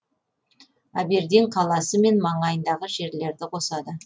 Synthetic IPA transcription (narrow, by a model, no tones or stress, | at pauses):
æbe̞ɾd̪eɴqʰɑlˠɑsəme̞nmɑɴɑjənd̪ɑʁəʒe̞ɾle̞ɾd̪ɪqʰo̞sɑd̪ə